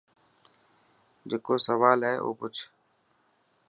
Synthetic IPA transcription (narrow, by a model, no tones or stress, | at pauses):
d͡ʒeːkoːsəʋaːlɦɛːʔo̰ːpʊt͡ʃʰ